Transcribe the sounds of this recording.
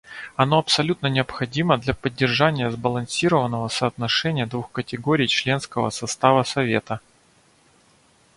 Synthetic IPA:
ɐno̞ɐpsɐlʲut̪nənʲɪəpxɐdʲiməd̪lʲɐpədʲːɪrʐanʲɪjəzbəlˠɐnsʲiɾəvənːəvəsəːt̪nɐʂɛnʲɪjəd̪vuxkətʲɪɡoɾʲɪjt͡ɕlʲe̞nskəvə̰sɐst̪avəsɐvʲe̞̰t̪ə

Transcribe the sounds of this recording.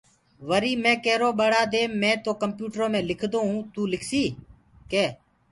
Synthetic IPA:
ʋəɾiːmẽːkeːɾoːɓəɽaːd̪eːmɛ̃ːt̪oːkəmpjuːʈɾoːmẽːlɪkʰd̪oːɦũːt̪uːlɪkʰsiː | keː

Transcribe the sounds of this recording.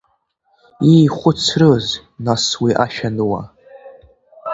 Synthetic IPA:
ijχʷʊt͡sʰrɨz | naswiʔaʃᶣanɨwa̰

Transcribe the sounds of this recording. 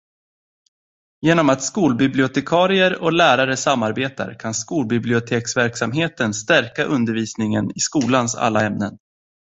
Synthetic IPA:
jeːnɔmat̪skuːlbɪblɪʊt̪ʰɛkʰɑːɾɪəɾɔlæːɾaɾəsamːaɾbeːt̪a̰ɾkʰanskuːlbɪblɪʊt̪ʰeːksvæɾksamɦeːt̪ənst̪æɾkaʔɵnd̪əɾviːsnɪŋənɪskuːlansa̰lːaɛmnən

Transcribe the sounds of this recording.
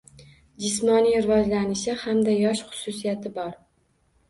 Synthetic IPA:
d͡ʒɪsmɒnijɪɾvɒzlanɪʃɪhamd̪ajɒʃχʊ̥sʊsijat̪ɪbɒɾ

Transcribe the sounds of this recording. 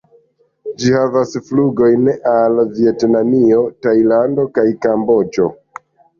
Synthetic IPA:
d͡ʒihavasfluɡo̞jnʔalvietnamio̞tajlando̞kajkambo̞d͡ʒo̞̰

